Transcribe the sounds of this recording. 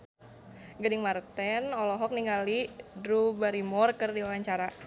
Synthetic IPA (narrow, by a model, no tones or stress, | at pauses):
ɡadɪŋmart̪ɛnɔlɔɦɔk̚niŋɡalidɾubaɾimɔrkərdiwawaɲt͡ʃaɾa